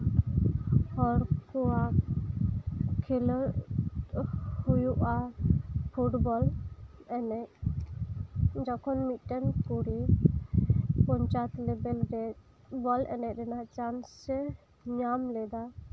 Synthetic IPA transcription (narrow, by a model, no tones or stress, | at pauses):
hɔɾkɔa | kʰilɾ | hujuʔa | pʰuʈbɔlɛnɛc̚ | d͡ʒɔkʰɔnmit̪̚ˀʈɛnkuɾi | pɔɲt͡ʃat̪lɛbɛlɾɛ | bɔlɛ̰nɛʔ̚ˀɾɛnaʔt͡ʃansɛ | ɲamlɛd̪a